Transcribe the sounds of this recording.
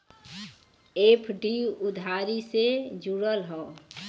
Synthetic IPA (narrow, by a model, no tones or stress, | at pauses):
epʰɖiʊd̪ʱaːɾised͡ʒuɽəlɦɔo